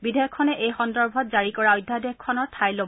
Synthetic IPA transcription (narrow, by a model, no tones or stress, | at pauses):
bidʱejɔkʰːɔnɛʔejxɔndɔɹbʱɔt̚zaɹikɔɹaɔjdʱːadɛkʰːɔnɔtʰajlob